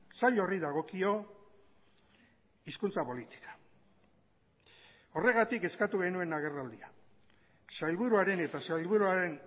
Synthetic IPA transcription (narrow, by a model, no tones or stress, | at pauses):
saʎo̞riðaɣ̞o̞kio̞ | iskunt͡sapo̞lit̪i̥kḁ | o̞re̞ɣ̞at̪ike̞skat̪uɣe̞nue̞naɣ̞e̞rald̪ia | sajlβuɾuaɾe̞ne̞t̪asajlβuɾuaɾe̞n